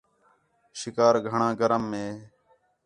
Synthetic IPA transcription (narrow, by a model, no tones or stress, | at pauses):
ʃɪkaːɾɡʱəɳãːɡəɾəmːẽː